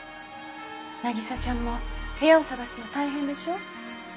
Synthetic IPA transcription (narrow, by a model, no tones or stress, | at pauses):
naɡʲisat͡ɕãmːahe̞jaosaɡasɨno̞t̪aiɦẽnd̪e̞ɕo̞ː